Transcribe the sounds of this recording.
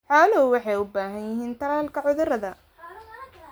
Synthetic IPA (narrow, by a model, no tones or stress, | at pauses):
ħɑːlɔwɑħɑjʊbaːɦɐnjɪɦiːnt̪ʰɐlaːlkʰɐʕʊðʊɾɐðɐ